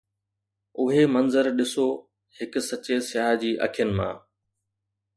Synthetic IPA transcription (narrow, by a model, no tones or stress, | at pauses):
ʊɦemɐnzəɾɗɪsoː | hɪkʊsɐt͡ɕesɪjaːɦd͡ʑiːʔɐ̰kʰijənɪ̆mã̰ː